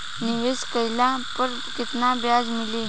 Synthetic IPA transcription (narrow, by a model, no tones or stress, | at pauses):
niʋeskəjlapəɾ | kit̪nabjad͡zmili